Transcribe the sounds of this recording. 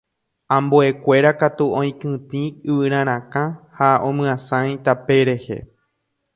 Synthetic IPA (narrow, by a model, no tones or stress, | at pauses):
ãmboe̞kʷe̞ɾakat̪uõĩkɨ̃t̪ĩɨʋɨɾ̃ãɾ̃ãkãhaõmɨ̃ãsãj̃t̪ape̞ɾe̞he̞̰